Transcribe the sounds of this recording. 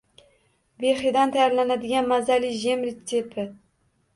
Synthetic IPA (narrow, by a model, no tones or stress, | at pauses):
veχid̪ant̪ʰajaɾlanad̪ɪɡʲanmazaliʒemɾit̪ʰepʰɪ